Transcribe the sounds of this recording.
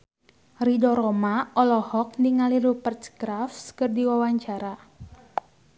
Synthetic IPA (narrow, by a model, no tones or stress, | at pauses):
ridɔɾɔmaɔlɔhɔk̚niŋaliɾupərt̪sɡɾafskɨrdiwawaɲt͡ʃaɾa